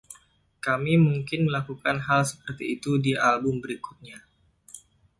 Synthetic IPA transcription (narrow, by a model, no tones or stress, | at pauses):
kamimuŋkɪnməlakukanɦalsə̥pərt̪iːt̪udialbʊmbəɾiku̥t̪̚ɲa